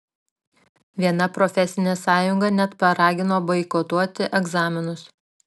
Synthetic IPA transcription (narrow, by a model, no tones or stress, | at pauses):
ʋʲiɛnɐpɾɔfʲɛsʲɪnʲeːsɑːjʊŋɡɐnʲɛt̪pɐɾɑːɡʲɪnoːbɐɪkot̪uɔt̪ʲɪʔɛɡzɑːmʲɪnʊs